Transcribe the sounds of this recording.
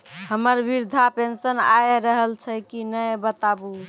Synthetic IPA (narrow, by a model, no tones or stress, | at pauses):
həməɾbiɾd̪ʱapensənajɾəɦəlt͡ʃʰɛkinəjbət̪abu